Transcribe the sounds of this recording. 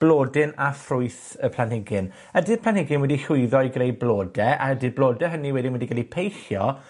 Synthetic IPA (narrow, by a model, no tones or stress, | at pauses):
b̥lˠoːdɪnafrʊɨθ | əpʰlanhɪɡɪn | ədɪd̚pʰlˠanhɪɡɪnwɛdiɬʊɨðɔjɡrejbloːdɛʔa̰ədɨd̚blˠoːdɛɦəniwɛdinwɛdiɡalˠipʰejxjɔ